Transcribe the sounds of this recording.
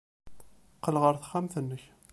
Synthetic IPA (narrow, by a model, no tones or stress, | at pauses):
qːəlʁəɾθχːæmθənːəç